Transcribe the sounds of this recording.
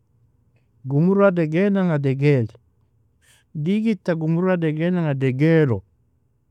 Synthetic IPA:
ɡumuɾadɛɡenaŋadɛɡɛl | diɡitːaɡumuɾadɛɡɛnaŋadeɡelo

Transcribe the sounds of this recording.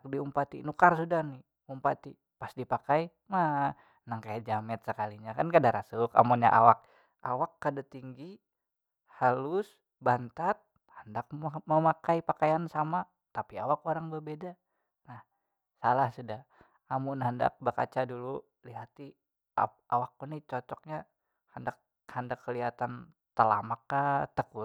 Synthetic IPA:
k̚diumpat̪inukarsudahni | umpat̪i | pasdipakai | ma | naŋkajaʔd͡ʒamɛt̪̚səkaliɲakankadaɾasʊka̰munɲa̰ʔa̰wak̚ | a̰wakːadat̪iŋɡi | halʊs | bant̪at̪̚ | həndak̚məmakaipakajansama | t̪apiawakoɾaŋbərbeda | nah | salahsuda | amʊnɦənda̰k̚bəka̰t͡ʃadulu | liɦat̪i | awak̚ːunit͡ʃɔt͡ʃɔk̚ɲa | həndak | həndakːəliɦat̪an | t̪əla̰makːat̪əku

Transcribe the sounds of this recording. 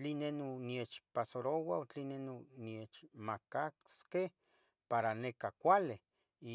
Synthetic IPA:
t͡ɬinenoniet͡ʃpasoɾowaot͡ɬinenoniet͡ʃmakaskeh | paɾanekakʷale

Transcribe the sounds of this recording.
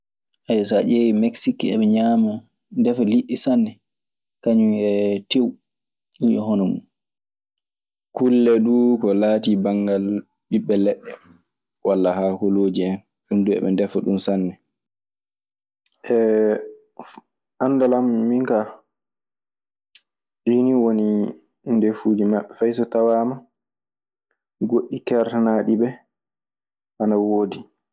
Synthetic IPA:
ʔajsaʔewimɛksikɛ̰ɓɛɲaːma | ndɛfaliɗːisanːɛ | kaɲuɛtew | iɔ̰ɦɔnɔmṵn | kulːɛɗukɔlaːtibaŋɡal | ɓiɓːɛlɛɗːɛ | walːahaːkɔloːd͡ʒiɛn | ɗumduɛ̰ɓɛ̰ndɛfɔɗumsanːɛ | ʔɛ | ʔandalamːiŋka | ɗiːniwoni | ndefuːd͡ʒimaɓːɛfajsɔtawama | ɡoɗːikɛɾtanaɗibɛ | ʔanawoːdi

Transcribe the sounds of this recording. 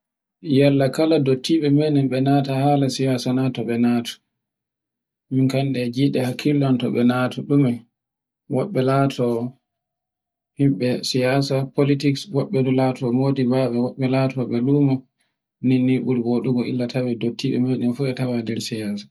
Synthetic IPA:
jalːakaladotʰːiɓɛmenɛnɓɛnaːtahalasijasanatɔɓɛnaːtʰɔ̥ | minkanɗɛd͡ʒiɗɛhakʰːilːɔntɔɓɛnaːtɔɗumɛ | wɔɓːɛlaːtʰɔ | himɓɛsijaːsapolitikswɔɓːɛdulatʰɔmoːdibaɓɛwaɓɛlatʰɔɓɛluːmɔ | ninːiɓuɾɡoɗuɡɔḭlːatʰawɛdotʰːiɓɛ̰menɛnfuɛtawadɛɾsijaːsḁ

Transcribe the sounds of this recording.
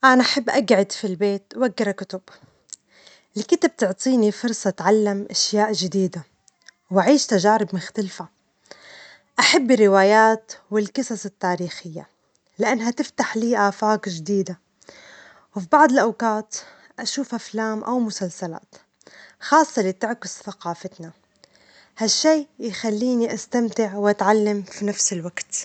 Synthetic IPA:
ʔanaʔaħabːʔaɡʕɪd̪filbeːt̪waɡːɪɾakʊt̪ʊb | ʔɪlkɪt̪ab̚t̪ʊʕt̪ˤiːnifʊɾsˤɑt̪ʕalːamʔaʃjaːʔʒɪd̪iːd̪a | wʔaʕiːʃt̪aʒaːɾɪbmʊxt̪alfa | ʔaħabːɪrːɪwaːjaːt̪wɪlkɨsˤɑsɪt̪ːaːɾiːxɪjːa̰ | lɪʔanːɦat̪ɪft̪aħliːʔaːfaːkʒd̪iːd̪a | wfibaʕd̪ˤɪlʔawkaːt̪ | ʔaʃuːfʔaflaːmʔawmʊsalsala̰ːt̪ | xɑːsˤːɑlɪt̪ɪʕkɪsθaqɑːfɪt̪na | haʃːeːjxalːiːniʔast̪amt̪ɪʕwʔat̪ʕalːamfinafsɪlwaɡt̪

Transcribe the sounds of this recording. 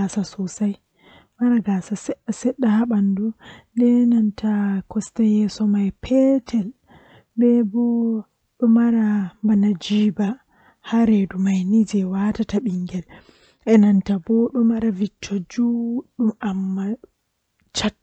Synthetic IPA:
asasɔsaj | maɾaɡasasɛɗːasɛɗːahaɓandudɛnantʰakɔstajɛsɔmajpʰɛtʰɛl | bɛbɔ | ɗɔmaɾambanad͡ʒiːba | haɾedumajnid͡ʒɛwatataɓiŋɡɛl | ʔɛnantabɔɗɔmaɾavitʰːɔd͡ʒuɗumamːa | t͡ʃat

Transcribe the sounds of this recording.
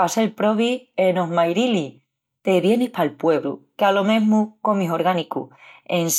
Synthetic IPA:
aselpɾo̞βienoɦmajɾili | t̪eβje̞nihpalpwe̞β̞ɾṵkealo̞mẽ̞ɦmuko̞miɦo̞ɾɣanikṵens

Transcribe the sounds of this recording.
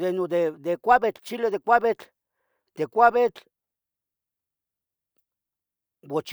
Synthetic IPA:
d̪enod̪ed̪ekʷaβet͡ɬt͡ʃileðekʷaβet͡ɬ | t̪ekʷaβet͡ɬ | wot͡ʃ

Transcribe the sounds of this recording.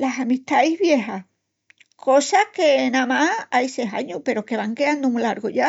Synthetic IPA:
lasamiht̪ajzβjeɦa | kʰosakenamaajseɦa̰ɲupe̞ɾoke̞βaŋkeand̪umulaɾɣoʝa

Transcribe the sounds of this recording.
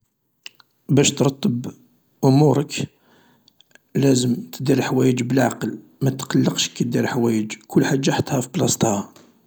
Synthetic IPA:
bæʃt̪ɾˤɑt̪ˤːəb | ʔʊmuɾək | læzəmt̪əd̪iɾlħwæjəd͡ʒbəlʕa̰qəl | mæt̪qɑlːəqʃə̥kːæd̪iɾħwæjəd͡ʒkʊlːħad̪ːaħət̪hæfiblɑst̪ˤhæ

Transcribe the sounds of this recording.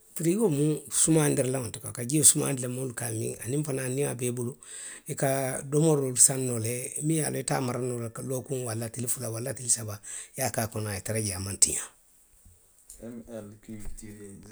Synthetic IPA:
fiɾiɡomũsumandiɾlaontika̰kaɟiosuma̰ːndilamolukaːmḭ̃a̰nĩfananĩa̰beːbolo | ikadomoɾolusãnːolɛmĩja̰loita̰ːmaɾanolakalokũwalːatilifulawalːatilisabajakaːkɔnajetaɾaɟiamãntḭ̃ɲã̰

